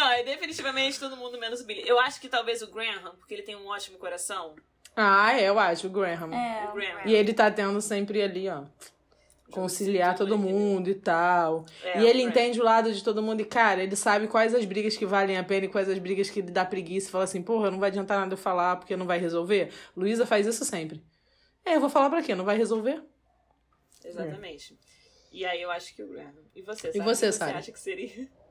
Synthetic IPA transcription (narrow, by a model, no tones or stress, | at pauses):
nɐ̃w̃ɛd̪efinit͡ʃivɐmẽnt͡ʃɪt̪od̪ʊmũd̪ʊmẽnʊzʊbilɐʔewaʃʊ̥kɪt̪awvezʊɡɾẽɦɐ̃pʊ̥keelɪt̪ẽj̃ũɔt͡ʃimʊkoɾasɐ̃w̃ | aɛewaʃʊʊɡɾẽɦɐ̃mɛɪelɪt̪at̪ẽnd̪ʊsẽmpɾɪaliɔ | kõsiliaɾt̪od̪ʊmũd̪ʊɪt̪awɛɪelɪẽt̪ẽd͡ʒɪʊlad̪ʊd͡ʒɪt̪od̪ʊmũnd̪ʊɪkaɾɐelɪsabɪkwajzɐzbɾiɡɐskɪvalẽj̃apẽnɐɪkwajzɐzbɾiɡɐskɪelɪd̪apɾeɡisɐ̥falasĩpohɐnɐ̃vowad͡ʒiɐ̃nt̪aɾnad̪ɐewfalapoɾkenɐ̃w̃vajɦezowveluizɐfajzisʊsẽmpɾɪ | ɛewvofalapɾɐkenɐ̃w̃vajɦezowve | ezaɐmẽt͡ʃɪ̥ | ɪaiewaʃʊ̥kɪʊɛ | ɪvoseɪvosesabɪaʃkɪ̥seɾiɐ